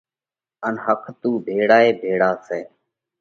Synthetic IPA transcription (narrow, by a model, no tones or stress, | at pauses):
ənɦəkʰt̪uːbʱeːɽaːeːbʱeːɽaːseː